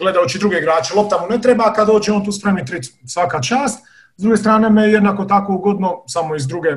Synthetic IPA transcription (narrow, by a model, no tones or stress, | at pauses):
ɡle̞d̪aot͡ʃid̪ɾuɡeiɡɾaːt͡ʃelo̞p̚t̪amunet̪ɾebakad̪o̞ːd͡ʒeont̪uːspɾeʋnit̪ɾisʋakat͡ʃaːst̪ | zd̪ɾuɡe̞st̪ɾaːne̞mejed̪nako̞t̪ako̞uɡo̞d̪nosamoizd̪ɾuɡe